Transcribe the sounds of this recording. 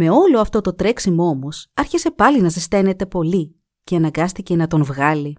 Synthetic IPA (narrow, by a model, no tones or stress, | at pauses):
me̞o̞lo̞ɐft̪o̞t̪o̞t̪ɾeksimoomo̞sɐɾçise̞pɐlinɐzest̪e̞ne̞t̪e̞po̞li | ce̞ɐnɐŋɡɐst̪ice̞nɐt̪o̞nvɣɐli